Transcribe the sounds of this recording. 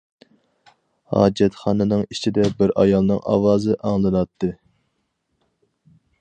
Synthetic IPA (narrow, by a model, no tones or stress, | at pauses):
hɑ̰ːd͡ʒɛt̪χɑːnɨnɨŋit͡ʃʰid̪ɛbɪɾʔɑjɑlˠnɨŋʔɑ̰wɑːzɨʔɑŋlˠɨnɑt̪ʰːɨ